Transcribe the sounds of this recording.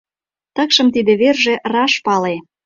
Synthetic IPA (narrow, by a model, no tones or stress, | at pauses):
t̪əkʃɤ̆mt̪id̪ĕβerʒĕʔrɑʃpɑle